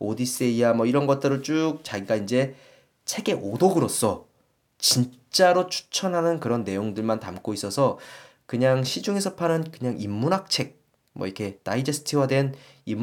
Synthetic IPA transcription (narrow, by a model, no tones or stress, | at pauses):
odis͈e̞ijamʌiɾʌnɡʌt͈̚ɯɾot͡ɕ͈uk̚t͡ɕaɡiɡaind͡ʑe̞ | t͡ɕʰe̞ɡe̞ʔodoɡɯɾʌs͈ʌ | t͡ɕint͡ɕ͈aɾot͡ɕʰu̥t͡ɕʰʌnɦanɯnkɯɾʌnːe̞joŋdɯɭmantamk͈ois͈ʌsʰʌ | kɯɲaŋɕʰid͡ʑuŋesʰʌpʰanɯnkɯɲaŋimːunak̚t͡ɕʰe̞k̚ | mʌ̰iɾkʰe̞t͈a̰id͡ʑes͈ʰɯ̥tʰiwadwe̞n | imː